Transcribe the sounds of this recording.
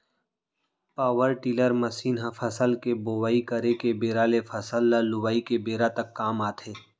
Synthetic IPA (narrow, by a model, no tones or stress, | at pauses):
paːʋəɾʈiːləɾmɐsiːnɦãfʰɐsəlkeboːwaːikəɾekebeːɾaːlefɐsəlːalʊwaːikebeːɾat̪ɐkːaːmaːt̪ʰeː